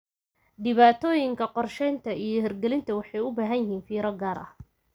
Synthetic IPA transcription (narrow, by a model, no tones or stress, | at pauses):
ɖɪβaːt̪ʰɔːjɪŋkʰɐqɔrʃɛjnt̪ʰɐijɞɦɛrɡɛlɪnt̪ʰɐwɑħɑjʊbaːɦɐnjɪɦiːnfiːɾɐɡaːɾʔɐ̰h